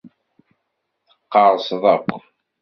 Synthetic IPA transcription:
θəqːɑɾˤsðˤɑqʷː

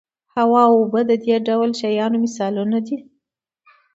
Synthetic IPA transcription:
hawɑwobəd̪əd̪eɖawlʃajɑnomɪsɑlunad̪i

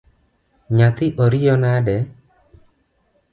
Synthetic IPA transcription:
ɲat̪ɪʔoɾijɔnadɛ

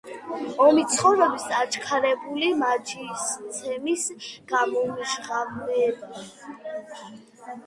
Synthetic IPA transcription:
ɔmit̪sʰχɔvɾɛbisat͡ʃʰʼkʰaɾɛbulimat͡ʃʰist̪sʰɛmisɡ̥amɔmʃʁavnɛba

